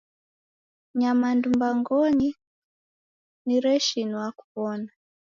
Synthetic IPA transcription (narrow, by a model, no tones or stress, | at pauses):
ɲamandumbaŋɡɔɲi | niɾɛʃinɔwaku̥βɔna